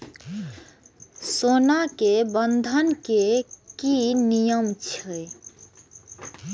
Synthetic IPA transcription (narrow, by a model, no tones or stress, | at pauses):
sonakebənd̪ʱənkekinijəmt͡ʃʰɛ